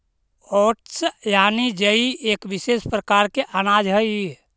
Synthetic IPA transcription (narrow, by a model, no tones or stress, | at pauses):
ɔːʈsjaːnid͡ʒəieːkʋisespɾəkaɾkeʔanaːd͡ʒɦəi